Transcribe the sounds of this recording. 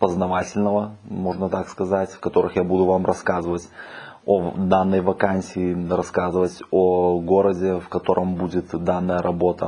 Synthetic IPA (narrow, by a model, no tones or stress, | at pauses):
pəznɐvatʲɪlʲnəvəmo̞ʐnət̪akskɐzatʲfkɐt̪o̞ɾɨxjabud̪ʊvamrʔɐskazɨvətʲod̪anːəjvɐkanʲsʲiːrɐskazɨvətʲoɡo̞ɾədʲɪfkɐt̪o̞ɾʔəmbudʲɪt̪d̪anːəjəɾʔɐbo̞t̪ə̰